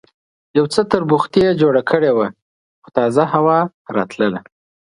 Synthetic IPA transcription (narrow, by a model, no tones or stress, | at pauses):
jawt͡sət̪əɾbʊxt̪ed͡ʒoɽakʰəɽewa | xʊ̥t̪ɑzahawɑ | ɾɑ̰t̪ləla